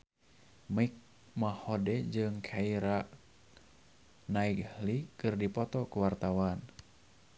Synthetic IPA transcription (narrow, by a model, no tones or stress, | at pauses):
mik̚ | mahɔdɛd͡ʒɨŋkʰaiɾa | naikhlikɨrdipɔt̪ɔkuwart̪awan